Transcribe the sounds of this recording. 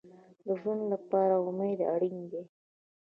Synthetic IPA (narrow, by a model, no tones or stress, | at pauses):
d̪əʒunlapɑɾaʊmed̪a̰ɽiŋd̪e